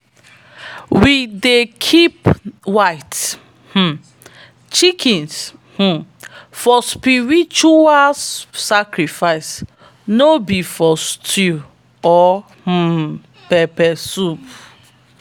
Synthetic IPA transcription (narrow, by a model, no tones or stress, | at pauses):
widekʰipwaɪt | h̩ | t͡ʃikĩnsh̩fɔspiɹit͡ʃualsakɾifaɪs | nobifɔstʰi | ɔ | h̩ | pɛpɛsup